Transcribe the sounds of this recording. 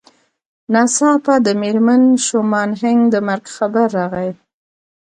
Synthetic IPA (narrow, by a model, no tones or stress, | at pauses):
nɑsɑpad̪əmeɾmanʃomɑnɦaŋɡd̪əmaɾɡxabaɾːɑɣaj